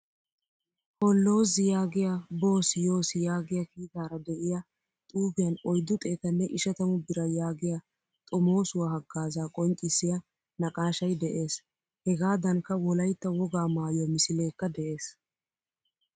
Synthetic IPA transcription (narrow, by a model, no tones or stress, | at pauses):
hɔlːo̞ːzɪjaːɡɪjabo̞ːsɪjo̞ːsɪjaːɡɪjakiːt̪aːɾɐd̪ɛʔɪja | t̪ʼuːbɪjɐnɔjd̪ːʊt̪ʼeːt̪ɐnːɛʔɪʃɐt̪ɐmʊbɪɾɐjaːɡɪja | t̪ʼɔmo̞ːsʊwahɐɡːaːzaːkʼɔnt͡ʃʼɪsːɪjɐ | nɐkʼaːʃɐjd̪ɛʔe̞ːs | hɛɡaːd̪ɐŋkːɐwɔlɐjt̪ːɐwɔɡaːmaːjomɪsɪle̞ːkːɐd̪ɛʔe̞ːs